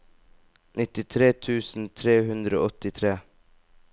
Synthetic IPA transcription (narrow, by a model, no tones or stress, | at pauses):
nɪt̪ɪt̪ʰɾeːt̪ʰʉːsn̩t̪ʰɾeːhʉnd̪ɾəo̰ːɔt̪ɪt̪ʰɾeː